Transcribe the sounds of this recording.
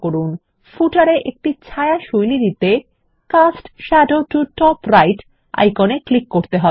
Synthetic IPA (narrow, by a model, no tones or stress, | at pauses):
koɾun | fuʈaɾeʔek̚ʈit͡ɕʰaeaʃojliɾit̪e | kasʈʃɛɖoʈuʈɔpɾajʈ | a̰jkoneklikːoɾt̪eɦɔ